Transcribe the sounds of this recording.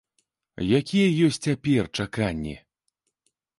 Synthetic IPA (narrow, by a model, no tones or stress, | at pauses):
jakʲijɛjɔsʲt͡sʲt͡sʲapʲɛrt͡ʂakanʲːɛ̰